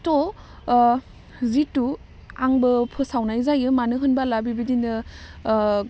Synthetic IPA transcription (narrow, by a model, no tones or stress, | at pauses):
tɔ | zitu | aŋbɯpʰɯsawnajzajɯmanɯɦɯnbalabibidinɯ